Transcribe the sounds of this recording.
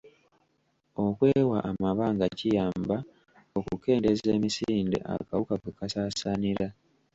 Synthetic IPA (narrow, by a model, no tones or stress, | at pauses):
o̞kwe̞ːwaʔːmaβaːŋɡacijaːmba | o̞kuke̞ːnde̞ze̞ːmisiːnde̞̰ʔa̰kawukakwekasaːsaniɾa